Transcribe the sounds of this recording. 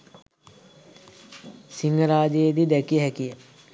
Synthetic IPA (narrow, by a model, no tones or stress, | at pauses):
siŋɡəɾaːd͡ʒeed̪id̪ɛkijəɦɛkijə